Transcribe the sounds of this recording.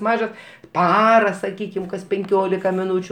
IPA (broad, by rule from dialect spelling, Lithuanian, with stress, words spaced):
ˈmɑːʒɐs ˈpɑːrɐ sɐˈkʲiːkʲɪm kɐs pʲɛŋʲˈkʲoːlʲɪkɐ mʲɪˈnuːt͡ʃʲʊ